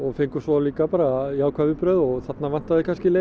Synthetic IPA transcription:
ɔɣfejŋkʏsvɔawliːkapaːɾaiaːwkʰvaːvʏpɾœðɔɣθat̪navan̥t̪aðɪkʰanscɪle

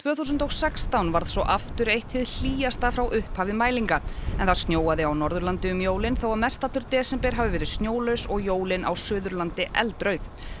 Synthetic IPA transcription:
t̪ʰvœːθusʏnt̪owsɛkst̪awnvaɾðsɔʔaft̪ʏɾejht̪ʰɪðl̥iːjast̪afɾawʔʏhphavɪmaːjliŋkaɛnθaðst̪joːwaðɪawnɔɾðʏɾlant̪ɪʏmjoːwlɪnθowaðmɛst̪at̪lʏɾt̪ɛːsɛmpɛɾ̥ɦavʏvɛːɾɪðst̪njoːwlœɥsɔɣjoːwlɪnʔa̰wsʏːðʏɾlant̪ɪʔɛlt̪ɾœɥθ

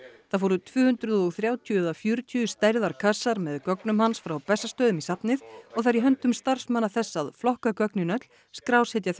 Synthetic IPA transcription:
θaɾvɔɾʏt̪ʰvʏːhʏnt̪ɾʏðɔɣθɾjaːwt̪ʰːɛðafjʏːɾʏt̪ʰʏʏst̪ajɾðaɾkʰasːaɾmɛðkœknʏmhansfɾawpɛsːast̪œːðʏmisapnɪðɔɣθaɾiɦœnt̪ʏmst̪ar̥smanːaθɛsːaðflɔhkakœknɪnœt̪l | skɾawshɛt̪jaθ

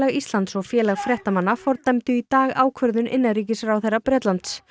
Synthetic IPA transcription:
laɣist̪lant̪sɔɣfjɛːlaɣfɾjɛht̪amanːafɔɾt̪ɛmt̪ʏit̪aːɣaːwkʰvœɾðʏnʔɪ̰nːaɾiːcɪsɾawθejrapɾɛːt̪lant̪s

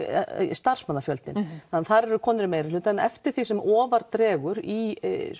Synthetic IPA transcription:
st̪ar̥smanːafjœlt̪nɪ̰nanθaɾɛɾʏkʰɔːnʏɾʏmeːjɾɪ̥lʏːt̪aɛnɛ̰ft̪ɪɾ̥θisɛmʔɔːvaɾt̪ɾɛːɣʏɾi

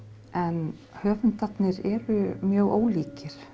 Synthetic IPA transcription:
ʔɛn | hœːvʏnt̪at̪nɪɾɛɾʏmjœːɣʔoːwliːcɪɾ̥

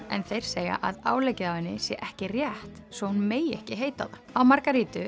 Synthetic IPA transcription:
ɛ̰nθejɾ̥seːja̰ʔaðaːwlejcɪðawvɪnːɪsjɛ̰ʔɛhcɪrjɛht̪svɔhunmeːjɛhcɪɦejt̪a̰ðaawmaɾkaɾiːt̪ʏ

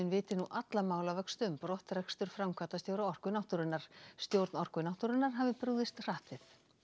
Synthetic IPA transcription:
ʏnvɪːt̪ɪnuʔat̪lamaːwlavɛkst̪ʏmpɾɔht̪ɾɛkst̪ʏɾ̥fɾamkʰaːt̪ast̪jowɾaɔr̥kʏnaht̪ʏɾɪnːaɾ̥st̪jowɾt̪nɔr̥kʏnawht̪ʏɾɪnːaɾ̥ɦavɪpɾʏɣðɪst̪r̥aːht̪ɪθ

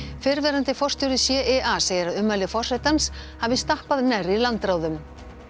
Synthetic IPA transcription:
fɪɾvɛːɾant̪ɪfɔr̥st̪jɔwɾɪsjɛːʔɛʔaseːjðɪɾaðʏmːalɪfɔr̥ːɛt̪anshavɪst̪ahpaðnɛrːilant̪ɾaːwðʏm

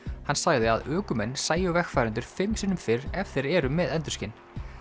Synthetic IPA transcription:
hansaɣðɪa̰ðœːkʏmɛnːsaːjœvɛxfaːjɾʏnt̪ʏɾ̥fɪmsɪnʏmfɪɾɛft̪ɪɾɛːɾʏmɛðɛnt̪ʏ̥ɾscɪn

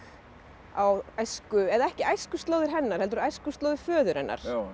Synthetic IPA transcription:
awajskʏɛðɛhcɪajskʏst̪loːwðɪɾ̥ɦɛnːaɾ̥hɛlt̪ʏɾajskʏst̪oːwðɪɾfœːðʏɾ̥hɛnːa̰ɾ̥

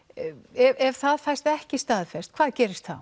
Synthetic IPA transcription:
ɛvɛv̥θaðfajst̪ɛhcɪst̪aːðfɛst̪̚kʰv̥aːðcɛːɾɪst̪θa̰w

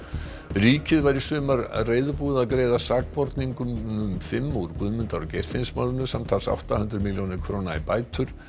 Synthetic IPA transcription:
riːcɪðvajɾɪsʏːmaɾreːjðʏpuːðaðkɾeːjðasaːk̚pɔɾt̪niŋkʏmʏmfɪmːuɾkʏðmʏnt̪aɾɔcejr̥fɪnsmaːwlʏnʏsamt̪ʰalsa̰wht̪ahʏnt̪ɾɪmiljownɪɾkʰɾoːnaipaːjt̪ʰʏɾ̥

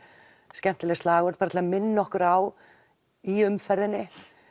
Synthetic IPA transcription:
scɛm̥t̪ɪlɛɣst̪laːɣœɾt̪̚paɾat̪ʰlaðamɪnːɔhkʏɾaw | iʏmfɛɾðɪnːɪ

